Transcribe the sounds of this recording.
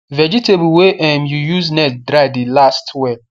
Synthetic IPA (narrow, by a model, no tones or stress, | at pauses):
vɛd͡ʒitʰebuweʔɛmjujuznɛt̚dɾaɪdelastʰwɛ